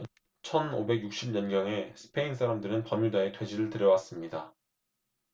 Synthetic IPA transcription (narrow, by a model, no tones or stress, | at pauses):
t͡ɕʰʌnobe̞ɡjuk̚ɕ͈imɲʌnɡjʌŋe̞sʰɯ̥pʰe̞iŋsʰaɾamdɯɾɯnpʌmudaetwe̞d͡ʑiɾɯɭtɯɾjʌwas͈ɯmɲida